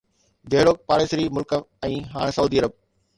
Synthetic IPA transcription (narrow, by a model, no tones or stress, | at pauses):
d̪eːɽoːk̚paːɽeːsɾiːmʊlkəɛ̃ːɦaːɽ̃sɐuːd̪iːɐɾəb̚